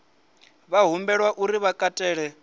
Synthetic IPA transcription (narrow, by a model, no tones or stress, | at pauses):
βaɦumbɛɺwaʔuɾiβakʼatʼɛːɺɛ